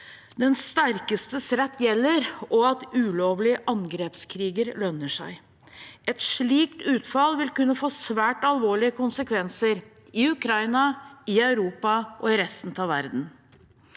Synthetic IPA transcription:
d̪ɛnst̪æɾkəst̪əsɾɛt̪ːjɛlːəɾɔɑt̪ʉːloːʋlɪəʔɑŋɡɾeːpskʰɾiːɡəɾlœnːəʂæ̰ɪ | ʔɛt̪ʂɭiːkt̪ʉːt̪fɑlʋɪlkʉnːəfoːsʋæːʈɑlʋoːɭɪəkʰʊnsəkʰʋɛnsəɾ | ɪʉkʰɾɑɪnɑɪœʉɾuːpɑʔɔɪɾɛst̪n̩t̪ʰɑʋæ̰ɾd̪n̩

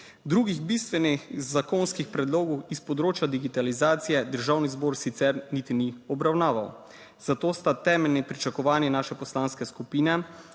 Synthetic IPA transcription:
d̪ɾuːɡiɣbist̪ʋɛnixzakonskixpɾɛd̪loːɡɔwispɔd̪ɾoːt͡ʃjad̪iɡit̪alizaːt̪sijɛd̪əɾʒaːwnizboːɾsit̪sɛɾnit̪iniɔbɾawnaːʋaw | z̥at̪oːst̪at̪ɛːmɛlnipɾit͡ʃakɔʋaːnjɛnaːʃɛpɔslaːnskɛskupiːnɛ

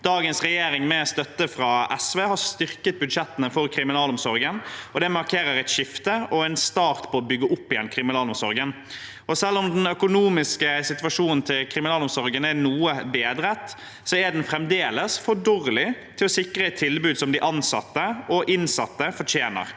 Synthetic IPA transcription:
d̪̥ɑːɡənsɾɛjeːɾɪŋmɛɔst̪œt̪ːəfɾɑʔɛsʋeːhɑst̪ʏʁkət̪̚bʉd̪ʂɛt̪ːənəfɔɾkʰɾɪmɪnɑːlɔmsɔɾɡənɔd̪ɛmɑɾkʰeːɾəɾɛɪt̪ʃɪft̪əɔæɪnst̪ɑːɾt̪pʰɔɔbʏɡːəʔʊpːɪjɛnːkʰɾɪmɪnɑːlɔmsɔɾɡən | ɔsɛlːɔmd̪ɛnœkʊnuːmɪskəsɪt̪ʋɑʂuːnən̩t̪ʰɪlkʰɾɪmɪnɑːlɔmsɔɾɡənəænuːəbeːd̪ɾət̪ː | sɔæɖ̪ɛnfɾɛmd̪eːləsfɔɖɔɾlɪt̪ʰɪlɔsɪkɾəɛt̪ʰːɪlbʉːd̪sɔmd̪ɪʔɑnsɑ̰t̪ːəɔʔɪnsɑt̪ːəfɔtʰjeːnə̰ɾ

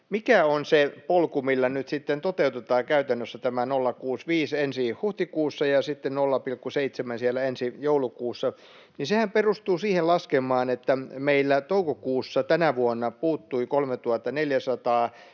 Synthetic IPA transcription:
mikæonsepolkumilːɑnyt̪sit̪ːent̪ot̪eut̪et̪ɑːkæyt̪ænːøsːæt̪æmænolːɑkuːsʋiːsensihuht̪ikuːsːɑjɑsit̪ːennolːɑpilkːuseit̪semænsielːˑæensijoulukuːsːɑ | ninsehæmperust̪uːsiːhelɑskemˑɑːnet̪ːæmeilːæt̪oukokuːsːɑt̪ænæʋuonːɑpuːt̪ːuikolmet̪uhɑt̪ːɑneljæsɑt̪ɑː

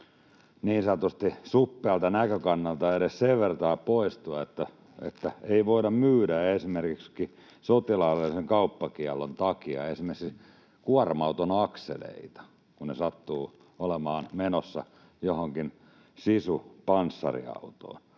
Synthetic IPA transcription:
niːnsɑt̪ust̪isupːeɑlt̪ɑnækøkɑnːɑlt̪ɑeɾesseʋʋert̪ɑːpoist̪uɑet̪ːæ | ḛt̪ːæeiʋoiɾɑmmyːdæesimerkikski | sot̪ilɑːʋeliseŋkɑupːɑkiælːont̪ɑkiɑ̰esimes | kuɑrmɑut̪onɑksḛlḛit̪ɑ̥ | kunnesɑt̪ːuː | olemɑːnmenosːɑ̰ | johoŋkin | sisupɑnsːɑ̰rḭɑ̰ut̪o̰ːn

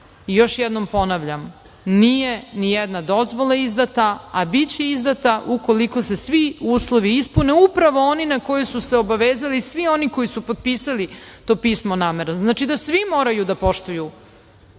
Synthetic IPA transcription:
ijo̞ʃjɛd̪nompo̞naʋʎam | nijenijɛd̪nad̪o̞zʋo̞lˠaizd̪at̪aabit͡ɕe̞izd̪at̪aʔukoliko̞se̞sʋiuːslˠo̞ʋiispuneupɾaʋoo̞ninako̞josuseobaʋeːzalisʋioniko̞jisupod̪̚piːsalit̪o̞ːpiːsmonaːmeɾaznaːt͡ʃid̪asʋimo̞ːɾajud̪apo̞ʃt̪uju

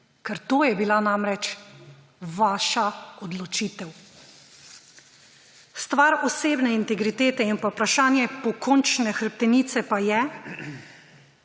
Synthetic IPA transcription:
kɛɾt̪oːjɛbilanamɾɛt͡ʃ | ʋaːʃaɔd̪lɔt͡ʃiːt̪ɛw | st̪ʋaːɾɔseːbnɛint̪ɛɡɾit̪eːt̪ɛinpawpɾaʃaːnjɛpɔkɔnt͡ʃnɛxɾp̚t̪ɛniːt̪sɛpajɛ

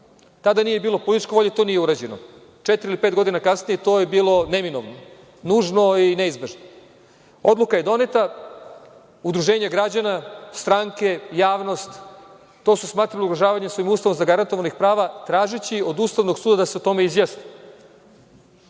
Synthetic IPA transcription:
t̪ad̪anije̞biːlˠo̞polit̪it͡ʃkeʋo̞ʎet̪o̞nijeuɾad͡ʑeno̰ | t͡ʃet̪iɾilipet̪ɡo̞d̪inakasnijet̪o̞ːjebiːlˠo̞nemino̰ʋno | nuːʒno̞ineizbeʒno | o̞d̪lˠukaje̞d̪o̞net̪a | ud̪ɾuʒeːɲaɡɾad͡ʑanast̪ɾaŋke̞jaːʋno̞st̪ː | o̞susmaːt̪ɾaliuɡɾoʒaːʋaɲesoimuːst̪aʋomzaɡaɾant̪oʋanixpɾaːʋat̪ɾaːʒit͡ɕio̞d̪uːst̪aʋnoɡsuːd̪ad̪aseot̪o̞me̞izjasni

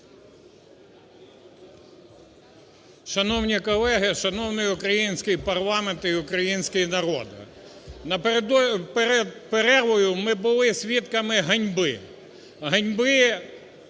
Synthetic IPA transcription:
ʃɐnɔwnʲikɔlˠɛɦɪʃɐnɔwnɪjʊkɾɐjinʲsʲkɪjpɐrlˠɑment̪iʊkɾɐjinʲsʲkɪjinɐɾɔ̰d̪ɪ̰ | nɐpd̪ɔp̪peɾɛʋɔjʊmɪbʊlˠɪsʲʋʲit̪kɐmɪɦɐnʲbɪ̰ | ɦɐnʲbɪ

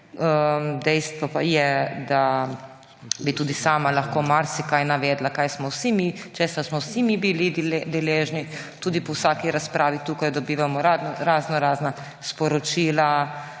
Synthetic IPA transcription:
əmd̪ɛjst̪ʋɔpajɛd̪a | bit̪uːd̪isaːmalaxkoːmaɾsɛkajnaʋɛːd̪lakajsmɔwsimit͡ʃesasmɔwsimibilid̪d̪ɛleːʒni | t̪uːd̪ipɔwsaːkiɾaspɾʔaːʋit̪uːkajd̪ɔbiːʋamɔɾaɾaːznɔɾaːzna | spɔɾɔt͡ʃiːla

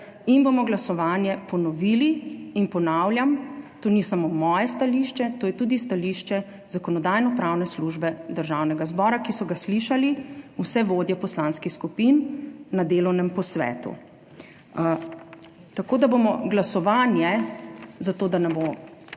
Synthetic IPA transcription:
inbomɔɡlasɔʋaːnjɛpɔnɔʋiːliːnpɔnawljamt̪oːnisamomɔːjɛst̪aliʃt͡ʃɛt̪oːjɛt̪uːd̪ist̪aliʃt͡ʃɛ | zakɔnɔd̪aːjnɔpɾaːwnɛsluʒbɛd̪əɾʒawnɛɡazbɔːɾakisɔɡasliʃaliusɛʋoːd̪jɛpɔslaːnskixskupinːad̪eːlɔwnɛmpɔsʋɛ̰ːt̪ṵ | t̪akoːd̪abomɔɡlasɔʋaːnjɛ | zat̪oːd̪anɛbo

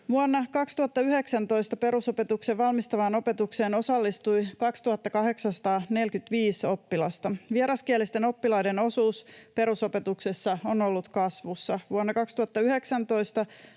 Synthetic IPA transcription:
ʋuonːɑkɑkst̪uhɑt̪ːɑyɦeksænt̪o̞ist̪ɑpe̞ɾuso̞pe̞t̪ukseʋʋɑlmist̪ɑʋɑno̞pe̞t̪ukse̞ːno̞sɑlːist̪ujkɑkst̪uhɑt̪ːɑkɑɦe̞ksɑnsɑ̥t̪ɑːne̞lkyt̪ʋiːso̞pːilɑst̪ɑʋieɾɑskiælist̪e̞no̞pːilɑjde̞no̞suːspe̞ɾuso̞pe̞t̪uksesːɑono̞lːut̪kɑsʋusːɑʋuonːɑkɑkst̪uhɑt̪ːɑyɦe̞ksænt̪o̞jst̪ɑ

